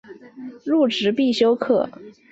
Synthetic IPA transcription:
ɻu˥˩ʈ͡ʂɻ̩˧˥pi˥˩ɕjo˥ʊkʰɤ˥˩

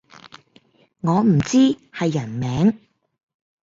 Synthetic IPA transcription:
ŋɔː˨˧m̩˨˩t͡siː˥hɐ˨jːɐ˨˩nmɛː˨˥ŋ

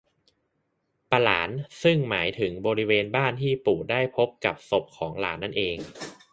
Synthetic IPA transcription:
pa˧la̰ː˩˦nsɯ˥˩ŋmaː˩˦jt̪ʰɯ˩˦ŋbɔː˧ɾi˦˥weː˧nbaː˥˩nt̪ʰiː˥˩puː˨˩daː˥˩jpʰo˦˥p̚ka˨˩p̚so˨˩p̚kʰɔː˩˦ŋla̰ː˩˦nːa˥˩nʔeː˧ŋ

